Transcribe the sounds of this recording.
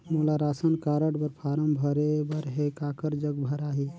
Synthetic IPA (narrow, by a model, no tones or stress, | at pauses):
mulaɾasənkaɾəɽbəɾpʰaɾəmbʱəɾebəɾɦekakəɾd͡ʒəɡbʱəɾaɦi